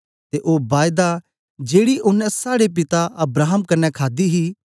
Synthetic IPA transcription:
t̪eʔoːbaːjd̪a | d͡ʒeːɽiʔʊnɛ̃saːɽep̬ɪt̪aɐbɾaːɦəmkɐnːɛkʰaːd̪iɦi

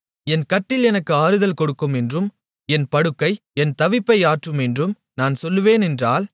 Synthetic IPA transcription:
ɛnkɐʈːɪlɛnɐkːɯaːɾɯðɐlkɔɽɯkːɯmɛndrɯm | ɛnpɐɽɯkːɐɪ | ɛnt̪ɐʋɪpːɐɪaːʈrɯmɛndrɯm | naːnsɔlːɯʋeːnɛndraːl

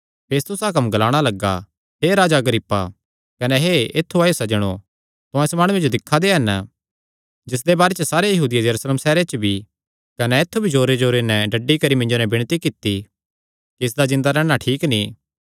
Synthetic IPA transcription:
pʰeːst̪ʊsak̬ɐmɡɐlaːɽ̃alɐɡːa̰ | ɦeɾaːd͡ʒaɡɾiːpːa | kɐnɛɦeeːt̪ʰːuaːjosɐd͡ʒəɽ̃o | t̪ʊãɪsmaːɽ̃ʊẽd͡ʒod̪ɪkʰːad̪eɦɐn | d͡ʒɪs̬d̪ebaːɾet͡ʃəsaːɾejɐɦuːd̪ɪjajɐɾuːsleːmsɛːɾet͡ʃbʱi | kɐnɛeːt̪ʰːubʱid͡ʒoːɾed͡ʒoːɾenɛɖɐɖːikɐɾimɪ̃ɲnd͡ʒonɛbɪɽ̃t̪ikɪt̪ːi | kiɪs̬d̪ad͡ʒɪ̃nd̪aɾɛːɽ̃aʈʰiːknĩ

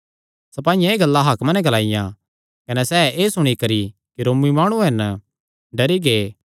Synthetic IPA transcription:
sɐpaːɪjãeːɡɐlːaɦaːkmãnɛ̃ɡɐlaːɪjã | kɐnɛsɛeːsʊɽ̃ikɐɾikiɾoːmːimaːɽ̃ũɦɛn | ɖɐɾiɡeː

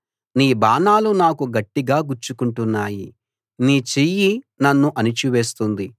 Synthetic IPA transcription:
niːbaːnaːlunaːkuɡɐʈːiɡaːɡuɾt͡ʃukuɳʈunːaːji | niːt͡ʃiji | nɐnːuʔɐnit͡ʃiʋe̞ːst̪und̪i

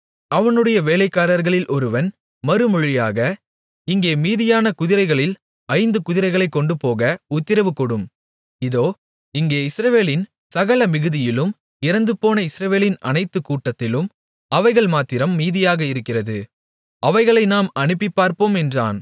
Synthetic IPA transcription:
ɐʋɐnɯɽɐjɐʋeːlɐɪkːaːɾɐɾɣɐɭɪlʔɔɾɯʋɐn | mɐɾɯmɔɻɪjaːɣɐ | ɪŋɡeːmiːðɪjaːnɐkʊðɪɾɐɪɣɐɭɪl | ɐɪnd̪ɯkʊðɪɾɐɪɣɐɭɐɪkːɔɳɖɯpoːɣɐʊt̪ːɪɾɐʋɯkːɔɽɯm | ɪðoː | ɪŋɡeːɪsɾɐʋeːlɪn | sɐɣɐɭɐmɪɣɯðɪjɪlɯm | ɪɾɐnd̪ɯpːoːnɐɪsɾɐʋeːlɪnɐ̰nɐɪt̪ːɯkuːʈːɐt̪ːɪlɯm | ɐʋɐɪɣɐɭmaːt̪ːɪɾɐmːiːðɪjaːɣɐɪɾɯkːɪrɐðɯ | ʔɐʋɐɪɣɐɭɐɪnaːmɐnɯpːipːaːɾpoːmɛndra̰ːn

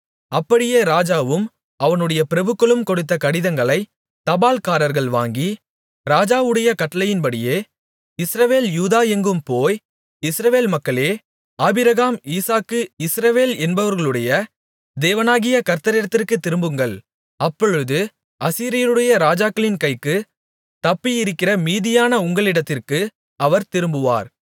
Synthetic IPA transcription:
ɐpːɐɽɪjeːɾaːd͡ʒaːʋɯm | ɐʋɐnɯɽɐjɐpɪɾɐbɯkːɐɭɯmkɔɽɯt̪̬ːɐkɐɽɪðɐŋɡɐɭɐɪ | t̪ɐbaːlkaːɾɐɾɣɐɭʋa̰ːŋɡi | ɾaːd͡ʒaːʋɯɽɐjɐkɐʈːɐlɐjɪnpɐɽɪjeː | ɪsɾɐʋeːljuːðaːɛŋɡɯmpoːj | ɪsɾɐʋeːlmɐkːɐɭeː | aːbɪɾɐɣaːmiːsaːkːɯɪsɾɐʋeːlɛnbɐʋɐɾɣɐɭɯɽɐjɐ | d̪eːʋɐnaːɣɪjɐkɐɾt̪ɐɾɪɽɐt̪ːɪrkɯt̪ːɪɾɯmbɯŋɡɐɭ | ɐpːɔɻɯðɯ | ɐsiːɾɪjɐɾɯɽɐjɐɾaːd͡ʒaːkːɐɭɪnkɐɪkːɯ | t̪ɐpːijɪɾɯkːɪrɐmiːðɪjaːnɐʊŋɡɐɭɪɽɐt̪ːɪrkɯ | ɐʋɐɾt̪ɪɾɯmbɯʋa̰ːɾ

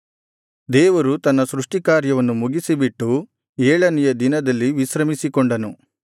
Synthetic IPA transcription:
d̪eːʋɐɾut̪ɐnːɐsɾuʂʈikaːɾjɐʋɐnːumuɡisibiʈːu | eːɭɐnijɐd̪inɐd̪ɐlːiʋisɾɐmisikɔɳɖɐnu

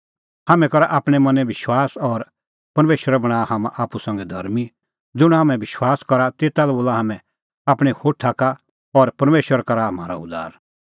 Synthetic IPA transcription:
haːmɛ̃kɐɾaʔaːpɽ̃ɛmɐ̃nɛ̃ʋɪʃwaːsɔɾ | pɐɾmeːʃwəɾɛbɐɽ̃aːhaːma̰ʔaːpusɐ̃ŋɡɛd̪ʱɐɾmi | d͡zʊɽ̃ɦaːmɛ̃ʋɪʃwaːskɐɾat̪eːt̪alɛboːlaɦaːmɛ̃ | aːpɽ̃ihoːʈʰaka | ɔɾpɐɾmeːʃwəɾkɐɾama̰ːɾa̰ʊd̪a̰ːɾ

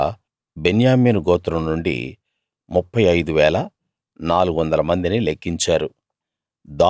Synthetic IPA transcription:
be̞njaːmiːnuɡɔːt̪ɾɐmnuɳɖḭ | mupːɐjɐjd̪uʋɛːlɐ | naːluɡuʋɐnd̪ɐlɐmɐnd̪inilekːiɲt͡ʃaːɾu | d̪aː

